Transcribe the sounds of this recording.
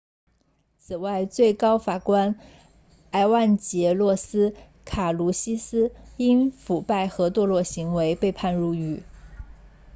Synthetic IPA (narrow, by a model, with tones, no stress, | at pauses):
t͡sʰɹ̩˨˩wa˥˧ɪt͡swe˥˩ɪkɑ˥ʊfa˨˩kwa˥n | a˧˥ɪwa˥˩nt͡ɕjɛ˧˥lwɔ˥˩sɹ̩˥ | kʰa˨˩lu˧˥ɕi˥sɹ̩˥i˥nfu˨˩pa˥˩ɪxɤ˧˥t̪wɔ˥˧lwɔ˥˩ɕi˧˥ŋwe˧˥ɪpe˥˧ɪpʰa˥˧nɻu˥˩y˥˩